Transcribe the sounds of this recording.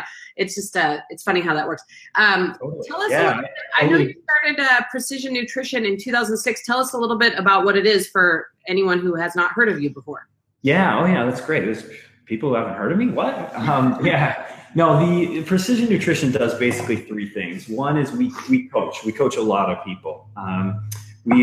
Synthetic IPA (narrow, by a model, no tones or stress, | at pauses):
ʔɨtsd̥ʒ̥ʌstʌɨtsfʌñiɦaʊðət̚wɜ˞ks | ʔʌ̃mʰoʊɾ̩ˠʰiɛlˠʌsæɪaɪoʊɨstɑɹɾɨdʌpʰɹ̥ɨsɪʒɨ̃nːʉtʰɹ̥ɪʃɨ̃nɨ̃ntʰʉθaʊzn̩̥sɪkstʰɛlˠʌsəlɪɾl̩ˠbɪɾɨbaʊt̚wʌɾɨɾɪz̥fə˞ɛniwʌ̃nhuɨznət̚hɜ˞ɾʌvjʉbəfɔɹ | jæoʊjæðætsɡ̥ɹeɪtɨt̚wʌz̥ | pʰipl̩ˠhuhævn̩t̚hɜ˞ɾʌvmiwʌt̚ʌ̃mjænoʊðɨpʰɹ̥ɨsɪʒɨ̃nːʉtʰɹ̥ɪʃɨ̃ndʌzbeɪsɨ̥kliθɹiθɪ̰̃ŋz̥wʌ̃nɪzwiwikʰoʊt͡ʃwikʰoʊt͡ʃəlɔɾʌv̥pʰipl̩ˠ | ʌ̃m | wi